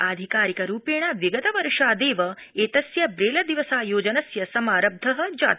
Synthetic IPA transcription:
aːd̪ʱikaːɾikɐɾuːpeːɳ̃aʋiɡɐt̪ɐʋɐɾʂaːd̪eːʋɐeːt̪ɐsjɐbɾeːlɐd̪iʋɐsaːjoːd͡ʒɐnɐsjɐsɐmaːɾɐb̚d̪ʱɐɦɐ̆d͡ʒa̰ːt̪

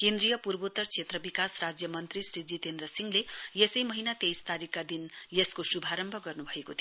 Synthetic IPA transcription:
kend̪rijʌpurbot̪ːʌrt͡sʰet̪rʌbikasrad͡zjʌmʌnt̪risrid͡zit̪end̪rʌsiŋlejesʌjmʌɦinat̪ejst̪aɾikːad̪injeskosubʱaɾʌmbʱʌɡʌrnubʱʌekot̪ʰ

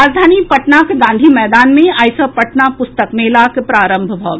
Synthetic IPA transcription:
aːd͡ʒd̪ʱaːnipɐʈnakeɡãːnd̪ʱimɛːd̪aːnmẽajsəpɐʈnapʊst̪əkmeːlakpɾaːɾə̃mbʱbʱɔːɡ

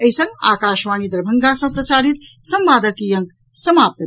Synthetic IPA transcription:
əɦisə̃ŋɡa̰ːkaːʃʋaːnid̪ɐɾbʱəŋɡasɐ̃ŋpɾɐsaːɾit̪sɐmʋaːd̪ʱəkijɐ̃ŋk | sɐmaːp̚t̪ə

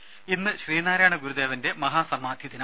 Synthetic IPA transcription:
inːɨɕriːnaːɾaːɳɐɡuɾud̪e̞ːʋɐnde̞mɐɦaːsɐmaːd̪ʱjɐðinɐ

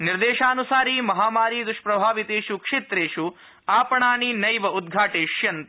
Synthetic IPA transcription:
niɾd̪eːʃaːnusaːɾimɐɦaːmaːɾiːd̪uʂpɾɐbʱaːʋit̪eːʃukʂeːt̪ɾeːʃu | aːpɐɳaːninɐjʋɐud̪̚ɡʱaːʈeːʂjɐnt̪

